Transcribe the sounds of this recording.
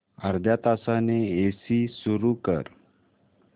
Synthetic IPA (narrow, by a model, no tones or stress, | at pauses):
əɾd̪ʱjat̪asaneesisuɾukə̰ɾ